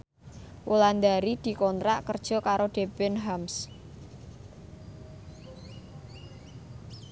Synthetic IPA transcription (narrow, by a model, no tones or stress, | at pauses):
wuland̪aɾid̪̥i̤kɔnt̪ɾaʔkərd̥ʒ̥ɔ̤kaɾoɖ̪̥e̤bɪnɦams